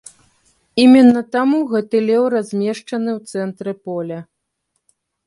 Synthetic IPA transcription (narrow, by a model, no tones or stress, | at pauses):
imʲɛnːɐt̪amuɣɛt̪ɨlʲɛwrazʲmʲɛʂt͡ʂɐnɨwt̪sɛnt̪ɾɨpɔlʲɐ